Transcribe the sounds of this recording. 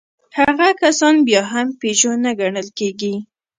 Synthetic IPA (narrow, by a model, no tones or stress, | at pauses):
haɣakasɑnbjɑɦampeʒonaɡaɳəlkeɡi